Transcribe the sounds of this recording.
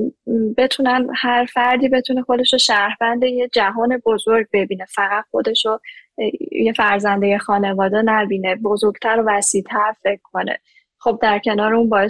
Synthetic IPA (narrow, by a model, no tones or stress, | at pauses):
be̞t̪ʰunæmhæɾfæɾd̪iːbe̞t̪ʰunexo̞d̪e̞ʃoʃæɾbænd̪ejed͡ʒæɦɒːne̞bo̞zoɾɟ̚be̞biːne̞fæɣæt̪xo̞d̪e̞ʃo | jefæɾzænd̪ejexɒːne̞vɒːd̪ɛnæbiːne̞bo̞zo̞ɾɡ̥t̪ʰæɾovæsiːt̪ʰæɾfe̞cʰkʰːo̞nḛ | χo̞b̚d̪æɾcʰe̞nɒːɾeuːnbɒːje